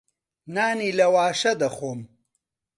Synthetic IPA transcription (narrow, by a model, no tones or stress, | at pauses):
naːniːlɐwaːʃɐd̪ɐχoːm